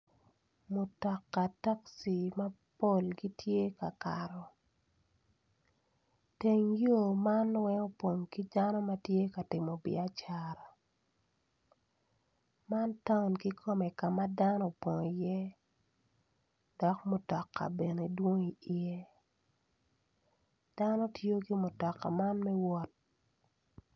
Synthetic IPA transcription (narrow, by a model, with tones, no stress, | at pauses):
mʊ˨tɔ˨kːa˨ta˦ksi˨ma˦ | po˦lɡi˦tje˦ka˨ka˨ɾɔ˨ | te˨ŋjo˦ma˦nwɛ˦ŋo˦pwo˨ŋki˦da˦nɔ˦ma˦tje˦ka˨tɪ˨mɔ˨bɪ̰˨a˦t͡ʃa˨ɾa˨ | ma˦nta˦ʊ˨nki˦kʰo˦mɛ˨ka˨ma˦da˦nɔ˦po˨ŋi˨jɛ˦ | d̥ɔ˨kmɔ˨tɔ˨kːa̰˨be˨ne˨dwo˦ŋi˨i˨e˦ | d̥a˦no˦tjo˦ki˦mɔ˨tɔ˨kːa̰˨ma˦nmɛ˦wɔ˦t̚